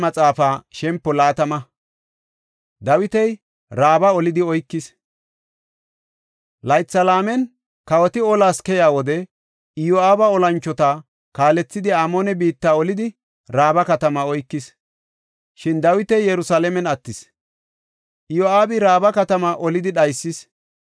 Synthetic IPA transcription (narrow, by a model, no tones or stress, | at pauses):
mɐt͡sʼaːfaːʃɛmpːɔlaːt̪ɐmɐ | d̪ɐwɪt̪ɛj | ɾaːbɐɔlɪd̪ɪɔjkːɪs | lɐjt͡sːɐlaːmɛn | kɐwɔt̪ɪɔlaːskɛjaːwɔd̪ɛ | ɪjoaːbɐɔlɐnt͡ʃːɔt̪ɐ | kaːlɛt͡sːɪd̪ɪaːmoːnɛbiːt̪ːaːɔlɪd̪ɪ | ɾaːbɐkɐt̪ɐmɐɔjkːɪs | ʃɪnd̪ɐwɪt̪ɛjːɛɾʊsaːlɛmɛnɐt̪ːɪs | ʔɪjoaːbɪɾaːbɐkɐt̪ɐmɐʔɔlɪd̪ɪɗɐjsːɪs